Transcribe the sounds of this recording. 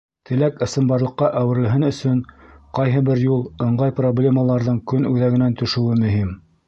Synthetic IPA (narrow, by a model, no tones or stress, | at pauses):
t̪ʰɘ̆lækɘ̆sɘ̆mbɑɾlˠɤ̆qːɑʔæwɘ̆ɾɘ̆lɦɘnɵ̆sɵŋqɑjɦɤbɘɾjulˠɤ̆ɴɢɑjproblʲe̞məlˠɑɾðɤɴkɵnʉðæɡɘ̆nænt̪ɵ̆ʃɵ̆wɘmɵ̆ɦim